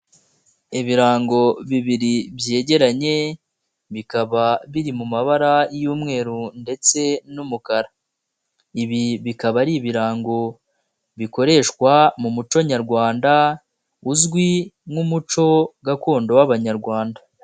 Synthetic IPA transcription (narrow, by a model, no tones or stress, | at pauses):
iβiɾaːŋɡo̞βiβiɾibje̞ːɟe̞ɾaɲe̞ | βikaβaβiɾimumaβaɾajuːmŋe̞ːɾunde̞t͡se̞numukaɾa | iβiβikaβaɾiβiɾaːŋɡo̞ | βiko̞ɾe̞ːʃkwamumut͡ʃo̞ɲaɾɡwaːnda | uzɡwiŋumut͡ʃo̞ɡako̞ːndo̞waβaɲaɾɡwaːnda